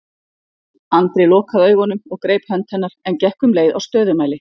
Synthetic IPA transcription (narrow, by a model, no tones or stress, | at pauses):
ant̪ɾɪlɔːkaðœːɥɣɔnʏmɔɣkɾeːjphœnt̪hɛn̪ːaɾ̥ɛncɛhkʏmleːjða̰wst̪œːðʏmaːjlɪ